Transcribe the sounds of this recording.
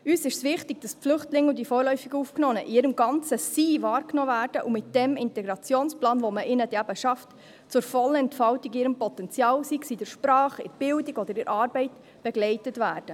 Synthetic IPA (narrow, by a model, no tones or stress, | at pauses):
yːsɪʃsʋɪχtɪɡ̥̚d̥ɑsflʏχtlɪŋːʊndifɔːɾlœʏfiɡuːfknɔːnəʔɪɾəmɡɑnt͡səsiːvɑːɾknoːvæːɾd̥əʔumɪt̚d̥ɛmɪntɛɡɾɑt͡sjoːnsplɑːnvoməʔɪnədæbəʃɑft | t͡sʊɾfɔlɛntfɑltiɡɪːɾəmpɔtɛnt͡sjɑːlsiksidəɾʃpɾɑːχɪ̰ɾb̥ɪldiɡ̥ɔd̥əɾɪɾɑːɾbɛɪt | b̥ɛɡlɛɪtətvæːɾd̥ə